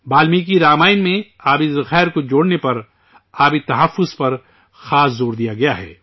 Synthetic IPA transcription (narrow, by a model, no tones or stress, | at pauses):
baːlmik̬iɾaːmaːɪnmẽaːbizɐxɛːɾkod͡ʒoːɽnepɐɾ | aːbit̪ɐɦɐfːʊzpɐɾ | xaːszoːɾd̪ijaɡɐjaɦɛ̰ː